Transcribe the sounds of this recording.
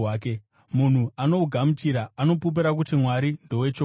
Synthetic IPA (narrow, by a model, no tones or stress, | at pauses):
aːk̬e | mun̤uano̞uɡʱamut͡ʃiɾaːno̞pup̬iɾak̬utimwaɾindowet͡ʃo